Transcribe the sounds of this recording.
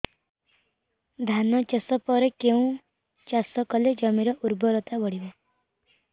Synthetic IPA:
d̪ʱanɔt͡ʃesɔpɔɾekeũ | t͡ʃasɔkɔled͡ʒɔmiɾɔʔuɾbɔɾɔt̪abɔɽibe

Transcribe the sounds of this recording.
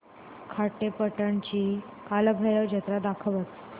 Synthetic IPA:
kʰaʈepəʈaɳt͡ɕiː | kaləbʱəɾəʋd͡ʑʱət̪ɾad̪akʰəʋət̪

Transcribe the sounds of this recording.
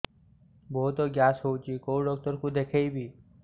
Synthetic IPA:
boɦut̪oːɡjaːsɦoːt͡ʃiːkoːɖɔːk̚t̪əɾkũd̪eːkʰeibʱiː

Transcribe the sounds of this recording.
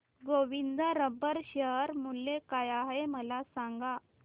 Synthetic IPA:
ɡoʋind̪əɾəbəɾɕəɦəɾmulːekajaɦeməlasaŋɡa

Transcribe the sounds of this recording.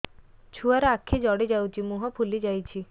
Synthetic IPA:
t͡ʃʰuaɾɔakʰːed͡ʒɔɽed͡ʒawt͡ʃʰimuɦɔpʰulid͡ʒajt͡ʃʰi

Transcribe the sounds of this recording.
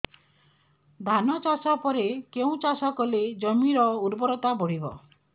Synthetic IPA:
d̪ʱanɔt͡ʃasapɔɾekeũt͡ʃasɔkɔled͡ʒɔmiɾɔuɾbɔɾɔt̪abɔɽ̤ibɔ̰

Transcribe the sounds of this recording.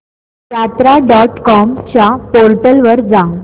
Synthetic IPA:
ɾat̪ɾaɖɔʈkɔmt͡ɕapoɾʈəlʋəɾd͡zãŋ

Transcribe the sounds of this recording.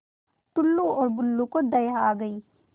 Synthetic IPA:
t̪ʊlːuɔːɾbʊlːũkod̪ɐjaːɡɐiː

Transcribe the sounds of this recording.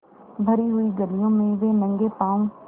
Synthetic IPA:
bʱəɾiɦʊiɡəlijõːmẽʋeːnə̃ŋɡeːpãːũ

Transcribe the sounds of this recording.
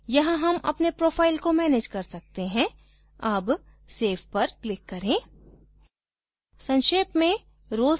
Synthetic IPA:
jɐɦãɦɐmɐ̰pnepɾoːpʰaːɪlkomɛːneːd͡ʒkɐɾsɐk̚t̪eɦɛ̃ | ɐb | seːfʰpɐɾklɪkːɐɾẽː | sɐ̃nʃeːpmẽ | ɾoːl

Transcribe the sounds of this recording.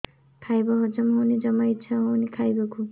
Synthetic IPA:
kʰajbʌɦʌd͡zʌmɦunid͡zʌmʌjt͡sʰʌɦʌnikʰajbʌkʰu

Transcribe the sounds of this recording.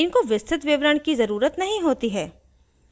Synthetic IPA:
ɪnkoʋɪst̪ʰɾɪt̪ʋɪʋɾəɳ̃kizɐɾuːɾət̪nɐɦĩɦoːt̪iɦɛː

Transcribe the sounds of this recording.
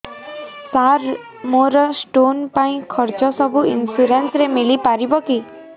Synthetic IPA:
saɾ | moɾɔsʈonpaĩkʰɔɾt͡ʃɔsɔbuḭnsuɾensɾemilipaɾibɔki

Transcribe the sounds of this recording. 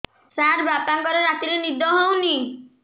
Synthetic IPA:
saɾbap̚t̪aŋkɔɾeɾat̪iɾenid̪ʱɔɦɔwni

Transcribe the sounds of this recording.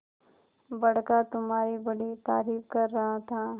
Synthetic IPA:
bɐɽ̤kat̪ʊmɦaːɾibɐɽit̪aːɾiːfkɐɾːɐɦat̪ʰaː

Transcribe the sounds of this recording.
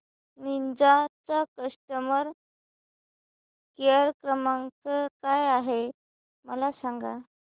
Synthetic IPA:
nind͡zat͡sakəsʈəməɾ | keəɾkɾəmaŋkəkajaɦe | məlasaŋɡa

